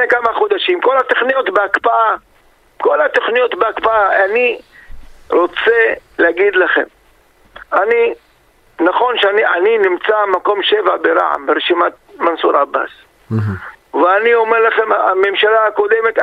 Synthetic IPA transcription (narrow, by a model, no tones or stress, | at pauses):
ekamaχod̪aʃimko̞lhat̪oχnijot̪beakpaʔa | ko̞lat̪oχnijo̞t̪beakpaaani | ɾo̞t͡se̞leaɡid̪laχe̞̰m | ani | naχo̞nʃeniʔaninimt͡samako̞mʃe̞vabeɾa̰ʕa̰mbeɾeʃimat̪̚mansuɾaba̰s | veanio̞meɾlaχe̞maa̰me̞mʃalaako̞d̪e̞me̞t̪